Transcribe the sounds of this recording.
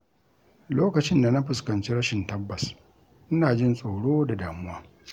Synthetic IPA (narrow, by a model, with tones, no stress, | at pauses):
loː˦kɐ˨t͡ʃɪ˦nda˨na˦ɸɪ˨skɐ˨nt͡ʃi˦ɾɐ˦ʃɪ˨ntɐ˦bːɐ˨s | ʔɪ˦naː˨d͡ʒɪ˦nsʼoː˨ɽoː˦da˨daː˨mʊ˦waː˦